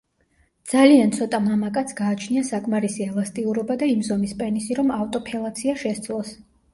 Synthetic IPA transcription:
d̪̥z̥aliant̪sʰɔt̪ʼamamakʼat̪sʰɡaːt͡ʃʰniasakʼmaɾisiɛlˠast̪ʼiuɾɔbad̪aimzɔmispʼɛnisiɾɔmavt̪ʼɔpʰɛlˠat̪sʰiaʃɛst̪sʼʰlˠɔs

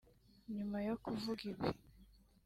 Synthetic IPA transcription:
ɲumajokuvuɡiβi

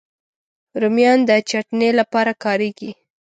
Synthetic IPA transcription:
ɾumjɑnd̪ət͡ʃaʈnelapɑɾakɑɾeɡi

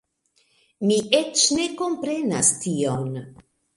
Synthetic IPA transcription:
miʔe̞t͡ʃne̞ko̞mpɾe̞na̰stion

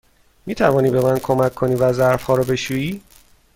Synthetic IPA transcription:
miːt̪ʰævɒːniːbe̞mænkʰo̞mækʰːo̞niːvæzæɾfhɒːɾɒbe̞ʃuːiː

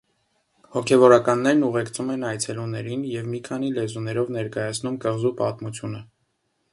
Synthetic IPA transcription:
hɔkʰɛvɔɾɑkɑnːɛɾnuʁɛkt͡sʰumɛnɑjt͡sʰɛlunɛɾinjɛvmikʰɑn̪ilɛzunɛɾɔvnɛɾkɑjɑt͡sʰnumkəʁzupɑt̪mut͡sʰjunə

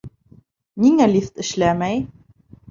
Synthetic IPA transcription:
niŋælʲift̪ɘ̆ʃlæmæj

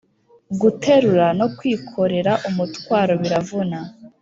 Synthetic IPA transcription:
ɡutʰe̞ɾuɾano̞kwiːkʰo̞ɾe̞ɾaʔumutwaːɾo̞βiɾavuna

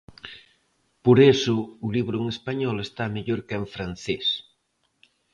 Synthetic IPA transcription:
poɾesʊʊliβɾʊŋespaɲɔlest̪ameʎoɾkaeɱfɾan̟θes

